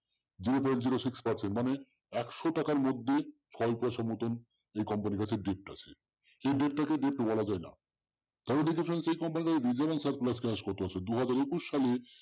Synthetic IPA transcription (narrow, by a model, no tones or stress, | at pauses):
d͡ʑiɾopɔɾend͡ʑiɾoʃikspaɾt͡ɕʰenmane | ɛkʃoʈakaɾmod̪ʱːet͡ɕʰɔepɔeʃɔmːot̪on | ejkɔmpanikat͡ɕʰeɖep̚ʈa̰t͡ɕʰe | eɖep̚ʈakeɖep̚ʈobɔlad͡ʑaena̰ | t̪ɔbed̪ikʰefʰɾensejkɔmpanikat͡ɕebid͡ʑabansaɾt̪̚plaskeɦaʃkoɾt̪eat͡ɕʰed̪uɦad͡ʑaɾekuʃːale